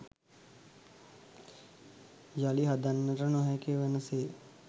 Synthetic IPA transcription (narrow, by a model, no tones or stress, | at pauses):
jaliɦad̪anːəɾənɔɦakeʋenəseː